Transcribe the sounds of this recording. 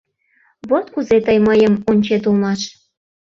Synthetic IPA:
βot̪kuzet̪əjməjə̆monʲt͡ɕet̪ulˠmɑʃ

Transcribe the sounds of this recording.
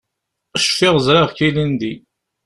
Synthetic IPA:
ʃfɪʁzɾɑʁkilind̪i

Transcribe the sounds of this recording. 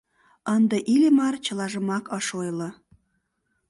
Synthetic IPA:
ənd̪əʔilʲemɑrt͡ɕə̆lɑʒəmɑkəʃojlə̆

